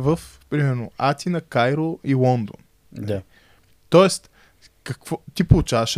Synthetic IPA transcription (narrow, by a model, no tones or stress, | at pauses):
vəf | pɾimɛɾnoat̪ʲinɐkajɾoilˠɔnd̪o̰n | i | t̪ɔɛst̪ | kɐkvɔt̪ipolˠut͡ʃavɐʃ